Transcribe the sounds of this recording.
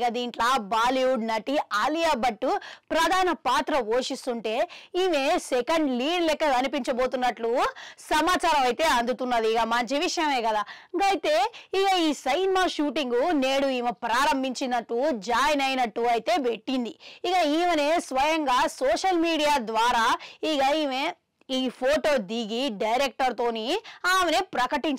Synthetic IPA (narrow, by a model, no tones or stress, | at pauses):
ɡad̪iːɳʈlaːbaːliuɖnɐʈiaːlijaːbɐʈːupɾɐd̪ʱaːnɐpaːt̪ɾɐʋoːʃist̪uɳʈe̞ːiːmeːsekɐɳɖliːɖlɛkːɐɐnipiɲt͡ʃɐbo̞ːt̪unːɐʈlusɐmaːt͡ʃaːɾɐmɐjt̪e̞ːɐnd̪ut̪unːɐd̪iːɡamɐɲt͡ʃiʋiʂɐjɐme̞ːkɐd̪aː | ŋɡɐjit̪e̞ːiɡaiːsɐjnimaːʃuːʈiŋɡune̞ːɽuiːmɐpɾaːɾɐmbʱiɲt͡ʃind̪ɐʈːud͡ʒaːjnɐjnɐʈːuɐjt̪e̞ːbe̞ʈːind̪iiɡaiːʋɐne̞ːsʋɐjɐŋɡaːsoːʂɐlmiːɽijaːd̪ʋaːɾaːiɡɐiːme | iːpʰoːʈo̞ːd̪iɡiɖɐjɾek̚ʈɐɾt̪o̞ːniaːmenepɾɐkɐʈiɲt͡ʃ